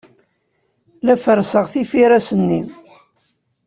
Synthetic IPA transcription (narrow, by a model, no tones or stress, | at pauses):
læfəɾsəʁθifiɾæsənːi